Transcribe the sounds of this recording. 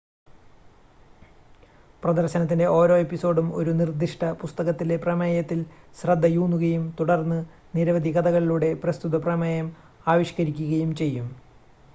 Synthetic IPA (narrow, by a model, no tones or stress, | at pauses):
prɐd̪ɐrɕɐnɐt̪ːinde̞ʔo̞ːɾo̞ːe̞pːiso̞ːɖumo̞ɾunird̪ʱiʂʈɐpust̪ɐɣɐt̪ːile̞prɐmɐjɐt̪ːilɕrɐd̪ʱːɐjuːnuɣɐjumt̪uɽɐrnːɨ | niɾɐʋɐd̪ʱiɣɐd̪ɐɣɐɭiluːɽe̞prɐst̪ud̪ɐprɐmɐjɐm | aːʋiɕkɐɾikʲːuɣɐjumt͡ɕe̞jːum